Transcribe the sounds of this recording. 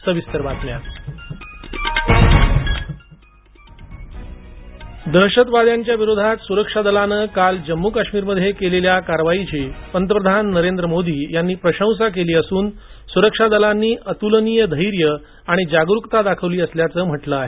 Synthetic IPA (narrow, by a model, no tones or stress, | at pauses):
səʋist̪əɾʋat̪nja | d̪əɕət̪ʋad̪jaɲt͡ɕjaʋiɾod̪ʱat̪suɾəkʂad̪əlanəːkald͡ʑəmːukaɕmiːɾməd̪ʱːjekeleljakaɾʋait͡ɕepənt̪əpɾəd̪ʱanːəɾend̪ɾəmod̪iːjanːiːpɾəɕə̃w̃s̬ak̬eliːəsuːn | suɾəkʂad̪əlanːiːʔət̪ulənijəd̪ʱəjɾjə | aɽ̃id͡ʑaɡɾukt̪ad̪akʰəʋliːəsljat͡səːm̤əʈləaɦe